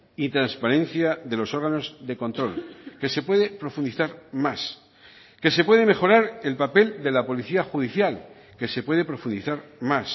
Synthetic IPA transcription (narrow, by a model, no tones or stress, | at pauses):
it̪ɾanspaɾẽ̞n̟θjaðe̞lo̞so̞ɾɣano̞zðeko̞nt̪ɾo̞lke̞se̞pwe̞ðe̞pɾo̞fund̪iθaɾmas | ke̞se̞pwe̞ð̞e̞me̞xo̞ɾaɾe̞lpape̞ld̪e̞lapo̞liθiaxuðiθjal | ke̞se̞pwe̞ð̞e̞pɾo̞fund̪iθaɾmas